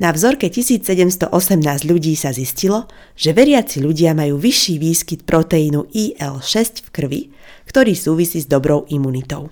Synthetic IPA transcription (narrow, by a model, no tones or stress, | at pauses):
navzɔɾkɛcisiːt͡ssɛɟɛmst̪ɔ̰ʔɔsɛmnaːzɟʎuɟiːsaziscilɔ | ʒ̥ɛʋɛɾɪat͡siʎuɟɪamajuːʋiʃːiːʋiːskit̪̚pɾɔt̪ɛinuʔiːʔɛlʃɛscfkr̩ʋḭ | kt̪ɔɾiːsuːʋisiːzd̪ɔbɾɔʊʔimunit̪ɔʊ